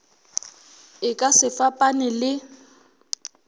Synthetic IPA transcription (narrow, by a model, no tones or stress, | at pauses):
ɪkʼasɪfapʼanɪlɪ